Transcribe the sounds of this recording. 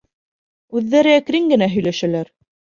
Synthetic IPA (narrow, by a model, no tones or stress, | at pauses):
ʉðːæɾɘækɾiŋɡɘ̆næɦɵ̆jlæʃælæɾ